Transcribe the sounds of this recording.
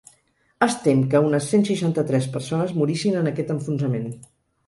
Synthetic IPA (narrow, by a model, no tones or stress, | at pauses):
əst̪emkəunəsːensiʃant̪ət̪ɾɛspəɾsonəzmuɾisinənəkɛt̪əɱfunzəmen